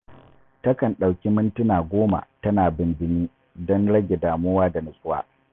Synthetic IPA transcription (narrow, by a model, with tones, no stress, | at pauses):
tɐ˦kɐ˨nɗa˨wkʲi˦mɪ˦ntʊ˦naː˨ɡʷoː˦ma̰˨tɐ˦naː˨bɪ˨nbɪ˦niː˦ | dɔ˦nɽɐ˦ɡʲe˨daː˨mʊː˦waː˦da˨nɪ˨sʼʊ˦wa̰ː˦